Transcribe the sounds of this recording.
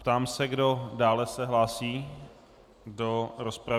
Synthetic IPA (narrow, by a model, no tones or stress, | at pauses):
pt̪aːmsɛɡdo̞daːlɛsɛɦlaːsiː | ɡdoɾospɾa